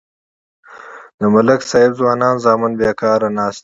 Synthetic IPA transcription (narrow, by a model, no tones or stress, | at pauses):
d̪əmɐləksɑːɪbzwɑːnɑːnzɑːmɪnbeːkɑːɾanɑːst̪